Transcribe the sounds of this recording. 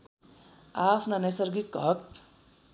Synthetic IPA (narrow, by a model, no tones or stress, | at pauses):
apʰnanʌsʌɾɡikːʌk